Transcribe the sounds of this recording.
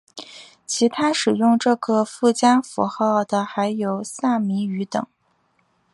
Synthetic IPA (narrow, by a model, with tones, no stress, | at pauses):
t͡ɕʰi˧˥t̪ʰa˥ʂɻ̩˨˩jʊ˥˧ŋʈ͡ʂɤ˥˩kə˧˩fu˥˩t͡ɕja˥nfṵ˧˥xɑ˥˩ʊd̪ə˩xa˧˥ɪjo˨˩ʊsa˥˩mi˧˥y˧˥t̪ɤ̰˨˩˦ŋ